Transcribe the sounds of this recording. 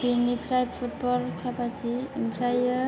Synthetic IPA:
binipʰɾajb̚pʰut̚bɔlkʰabatiːmpʰɾajə

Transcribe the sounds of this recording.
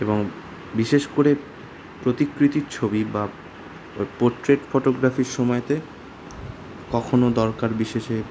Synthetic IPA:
eboŋ | biʃeʃkoɾe | pɾot̪ikɾit̪iɾt͡ɕʰobiba | poɾʈɾeʈfoʈoɡɾafiɾʃɔmɔet̪e | kɔkʰonod̪ɔɾkaɾbiʃeʃe

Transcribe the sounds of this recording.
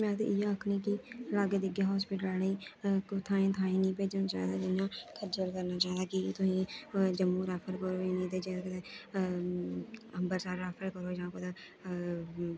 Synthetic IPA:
mɛ̃ːt̪ḛːɪjaːəkʰniːkilaːɡed̪ɪɡeːɦɔːspɪːʈəlaːnĩːkːt̪ʰãːĩːt̪ʰãːĩːnĩːpeːd͡ʒəñːt͡ʃa̰ːd̪aːd͡ʒɪãːkʰəd͡ʒəlkəɾnaːt͡ʃaːɦd̪aːkit̪ʊsĩːd͡ʒəmːuːɾaːfʰəɾkəɾoːiːnĩːt̪eːd͡ʒẽːkːt̪e | əmbəɾsaːɾːaːpʰəɾkəɾoːd͡ʒãːkot̪eː

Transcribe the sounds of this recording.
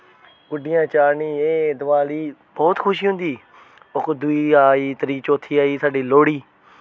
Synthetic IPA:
kʊɖɪjãːt͡ʃaːɾniːeːd̪əʋaːliːbɔːt̪kʰʊʃiːɦʊ̃nd̪iː | ʊkʰd̪ʊiːaːiːt̪əɾiːt͡ʃoːt̪ʰːiːaːiːsaːɖiːloːɽiː

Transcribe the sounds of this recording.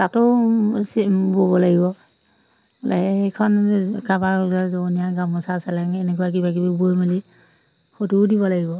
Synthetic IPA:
tatʊsbobɔlaɡibɔ | la̰ekʰɔnkabauzazonijaɡamɔsasɛlaŋɛnɛk̬ɔjak̬ibakibibojmali | xotudibɔlaɡibɔ

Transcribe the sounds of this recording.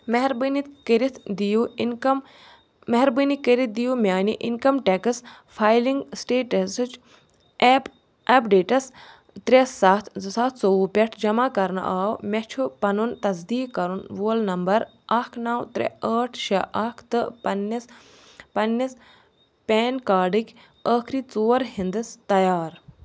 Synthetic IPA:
mɐɦɾɨnit̪kiɾit̪ʰd̪ijum | mɐɦɛɾbɨnikiɾit̪̚d̪ijumʲaːniʔḭnkɐmʈekɨs | pʰaːjliŋɡsʈeːʈɐst͡ʃː | p | ɐpɖeːʈɐs | t̪ɾesɐt̪ʰsɐt̪ʰt͡soupʲɛʈʰd͡ʒɐmaːkɐɾn̰ʔaːwmɛt͡ʃʰupɐnunt̪ɐsd̪iːkkːɐɾunʋoːlnɐmbɐɾ | ɐkʰnawt̪ɾʲɛ̰əːʈʰʃɐʔɐkʰt̪ɨpɐnːis | pɐnːis | pʲɛːnkaːɖɨkʰʲ | əːkʰɾiːt͡soːɾɦind̪ɨst̪ɐjaːɾ

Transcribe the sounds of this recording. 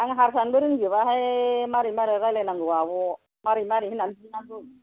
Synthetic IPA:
aŋɦaɾsanbuɾiŋd͡ʒiβahamaɾimaɾiɾalenaŋɡuwabu | maɾimaɾihinansinasu

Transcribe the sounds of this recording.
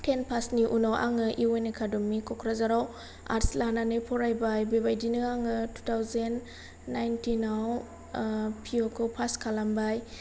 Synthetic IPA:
tʰenpʰasniʔunawʔa̰ŋɯʔiwejnekʰadɔmːikʰɔkʰɾazaɾaw | a̰ɾslananɯpʰɔɾajbajbebajdinɯaŋɯtu̥tʰawzenː | ajntinaw | pʰiokʰɯpʰaskʰalambaj

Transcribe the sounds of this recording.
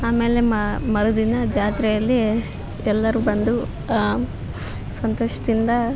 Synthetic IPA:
aːmeːle̞mɐɾud̪inɐd͡ʒaːt̪ɾɛjɐlːi | ɛlːɐɾuːbɐnd̪u | sɐnt̪oːʃɐd̪ind̪ɐ

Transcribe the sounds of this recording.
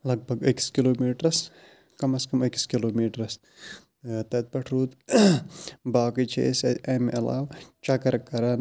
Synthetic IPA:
lɐɡ̚bʱɐɡɐki̥skiloːmiːʈɾɐs | kɐmɐskɐmɐki̥skiloːmiːʈɾɐs | t̪ɐt̪̚pɐʈʰɾuːt̪ | baːkit͡ʃʰḛsɐmʔɐ̰la̰ːwt͡ʃɐkɐɾkːɐɾɐn

